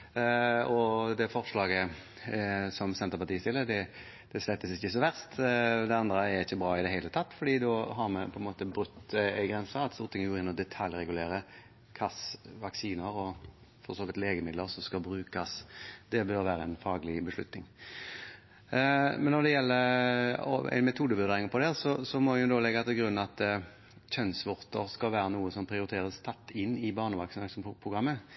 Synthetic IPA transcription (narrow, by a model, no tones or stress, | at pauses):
ɔd̪ɛfɔʁʂlɑːɡə | sɔmsɛnt̪əɾpɑt̪iːst̪ɪlːəd̪ɛ | d̪̥ɛslɛt̪ːəsɪçːəsɔʋæʁst̪d̪ɛɑnd̪ɾəæɾɪçːəbɾɑːɪd̪ɛɦeɪlət̪ʰɑt̪ːfɔɖiːd̪ɔɦɑɾmɛpʰɔɛnmoːt̪əbɾʉt̪ːæɪɡɾɛnsɑɑt̪st̪uːɾt̪ʰɪŋəɡoːɪnmɔd̪ɛt̪ʰɑljɾɛɡʉleːɾə | kʰɑsʋɑksiːnəɾɔ | fɔsoːʋɪlt̪leːɡəmɪd̪ləɾsɔmskɑbɾʉːkɑsd̪̥ɛbœɾʋæːɾəɛnfɑːɡlɪbəʂlʉ̰t̪nɪŋ | mɛnːɔd̪ɛjɛlːəɾɔ̰æ̰ɪnmɛt̪ʰuːd̪əbʏɾd̪eːɾɪŋəpʰɔd̪ɛsɔsɔmɔɛʊd̪oːlɛɡɑt̪ʰɛɡɾʉnːɑt̪ | çœnsʋʊʁt̪əɾskɑlʋæːɾənuːəsɔmpʰɾɪʊɾɪt̪ʰeːʁəst̪ʰɑt̪ːɪnːɪbɑːʁnəʋɑksnɑspʰʁʊɡʁɑmːə